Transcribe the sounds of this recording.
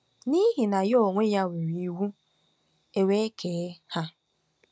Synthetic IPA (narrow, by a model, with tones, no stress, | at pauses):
ni˦ɦi˨na˨jo˦˨ŋʷe˦ja˦we˨ɾi˨i˦ɦu˦ | e˨we˦kʰe˨˦ha˦